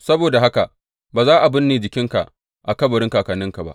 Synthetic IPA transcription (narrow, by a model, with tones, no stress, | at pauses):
sɐ˦boː˨da˨ɦa˦ka˨ | baː˨zaː˦ʔa˨bɪ˦nːeː˨d͡ʒɪ˨kʲɪ˦ŋka̰˨ʔ | ʔa˨kɐ˦bɐ˨ɽɪ˦ŋkaː˨kaː˨nɪ˦ŋka˨ba̰˦ʔ